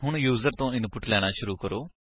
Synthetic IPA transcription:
ɦʊɳ̃juːzəɾt̪õːɪnpʊʈlɛːɽ̃aːʃʊɾuːkəɾoː

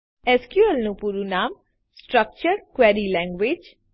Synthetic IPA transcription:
ɛskjuəlnũːpuːɾunaːm | sʈɾək̚t͡ʃəɾkwɛːɾiːlɛ̃ːŋɡweːd͡ʒ

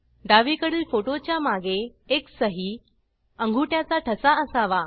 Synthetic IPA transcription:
ɖaʋiːkəɽiːlfoʈot͡ɕjamaɡeːksəɦiː | əŋɡʱuːʈjat͡saʈʰəsaəsaʋa

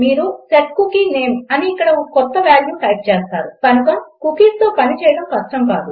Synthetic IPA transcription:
miːɾuseʈ̚kukiːneːmɐniːkːɐɽɐkɔt̪ːɐʋaːljuːʈɐjp̚t͡ʃeːst̪aːɾukɐnukɐmkukiːst̪oːpɐnit͡ʃɛːjɐɽɐmkɐʂʈɐmka̰ːd̪u

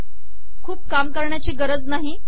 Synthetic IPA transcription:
kʰuːp̚kamkəɾɳjat͡ɕiːɡəɾəd͡znaɦi

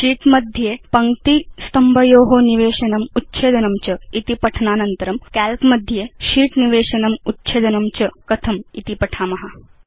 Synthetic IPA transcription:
ʃiːʈmɐd̪ʱjepɐŋkt̪ist̪ɐmbʱɐjoːɦoniʋeːʃɐnɐmutːt͡ʃʰeːd̪ɐnɐmt͡ʃɐit̪ipɐʈʰnaːnɐnt̪ɐɾɐmkæːlpmɐd̪ʱjeʃiːʈniʋeːʃɐnɐmutːt͡ʃʰeːd̪ɐnɐmt͡ʃɐkɐt̪ʰɐmit̪ipɐʈʰaːmɐɦɐ

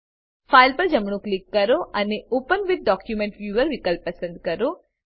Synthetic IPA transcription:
fʰajlpɐɾd͡ʒɐmɳuklikːɐɾoʔɐneʔoːpənʋɪd̪̚ɖɔːkjumẽɳʈfjuːʋəɾʋikəlpːɐsə̃nd̪̚kɐɾoː

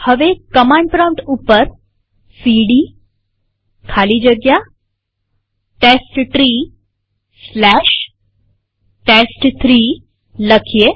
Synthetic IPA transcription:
həʋekəmaɳɖ̚pɾawʈupəɾ | siɽi | kʰaliːd͡ʑəɡja | ʈesʈʈɾiː | slæɕ | ʈesʈt̪ʰɾi | ləkʰje

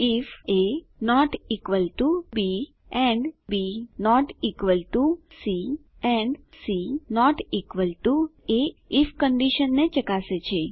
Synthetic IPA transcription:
ife | nɔʈikʋəlʈubi | ɛ̃ɳɖbinɔʈikʋəlʈusi | ɛ̃ɳɖsinɔʈikʋəlʈueifkəɳɖiʃənːet͡ʃəkaset͡ʃʰe

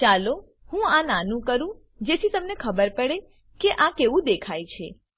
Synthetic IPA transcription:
t͡ʃalo | hũananũkəɾũ | d͡ʒet̪ʰit̪əmnekʰəbəɾpəɽe | keʔãkeʋũd̪ekʰajt͡ʃʰe

